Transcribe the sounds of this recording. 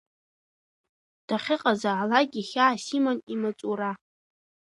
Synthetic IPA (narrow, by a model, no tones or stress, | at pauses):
d̥aχʲɪqʼazaʕalaɡʲiχʲaːsimonimat͡sʼuɾa